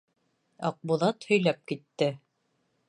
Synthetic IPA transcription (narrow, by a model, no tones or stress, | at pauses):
ɑq̚buðˠɑt̪hɵ̆jlæp̚kit̪ːɘ